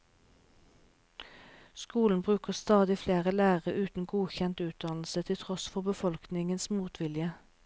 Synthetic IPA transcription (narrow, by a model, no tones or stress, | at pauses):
skuːln̩bʁʉːkəʁst̪ɑːd̪ɪfleːʁəlæːʁəʔʉːt̪n̩ɡuːçɛnt̪ʉːt̪̚d̪ɑnl̩sət̪ʰɪlt̪ʰʁɔsfɔʁbəfɔlknɪŋənsmuːt̪ʰʋɪljə